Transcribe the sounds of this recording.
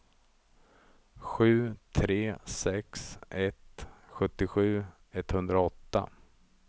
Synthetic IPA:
ɧʉ̟ːt̪ʰɾeːsɛksʔɛt̪ɧɵt̪ːɪɧʉ̟ː | ɛt̪hɵnd̪ɾaɔt̪ːa̰

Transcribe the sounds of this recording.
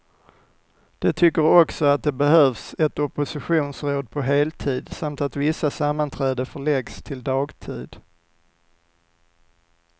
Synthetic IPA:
d̪̥ɛt̪ʰʏkːəɾɔksɔat̪̚d̪ɛbɛɦœːvsɛt̪ɔpʊsɪɧuːnsɾoːd̪̚pʰɔɦeːlt̪ʰiːd̪samt̪at̪vɪsːasamːant̪ʰɾæːd̪əfœɭɛɡst̪ʰɪld̪ɑːɡt̪ʰiːd̪

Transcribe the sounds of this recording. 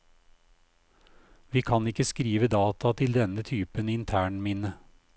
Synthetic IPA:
ʋiːkʰɑnɪkəskɾiːʋəd̪ɑːt̪ʰɑt̪ʰɪld̪ɛnət̪ʰyːpənɪnt̪ʰæːɳmɪnə

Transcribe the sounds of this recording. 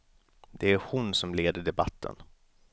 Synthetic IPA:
d̪̥ɛæɾhʊnsɔmleːd̪əɖɛba̰t̪ʰːə̰n

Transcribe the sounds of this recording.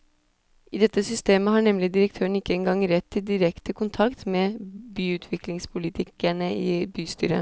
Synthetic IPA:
ʔiːd̪ɛt̪ːəsʏst̪eːməhɑːɳɛmlɪd̪ɪɾək̚t̪ʰøːəɳ̩ɪkːəɛŋɡɑŋɾɛt̪ʰːɪld̪ɪɾɛkt̪əkʰʊnt̪ʰɑkt̪meːbyːʉːt̪ʰʋɪklɪŋspʰʊlɪt̪ʰɪkæɳəʔḭːbyːst̪y̰ːɾə̰

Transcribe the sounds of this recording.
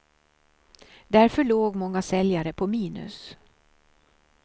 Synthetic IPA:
d̪æɾfœɭoːɡmɔŋːasɛljaɾəpʰɔmiːnɵ̰s

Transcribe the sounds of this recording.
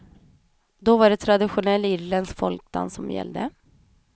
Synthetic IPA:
d̪ɔvaɖɛt̪ʰɾad̪ɪɧʊnɛlːɪɾlɛnd̪skfɔlk̚d̪a̰nsɔmjɛ̰lːd̪ə̰

